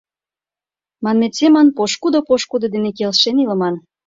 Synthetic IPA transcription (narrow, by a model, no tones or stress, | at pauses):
mɑnmet̪semɑnpoʃkud̪opoʃkud̪ŏd̪enek̬elʃenilə̆mɑn